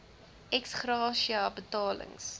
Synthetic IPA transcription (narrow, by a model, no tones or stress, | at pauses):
ɛksχrɑːʃiɐbətɑːlə̰ŋs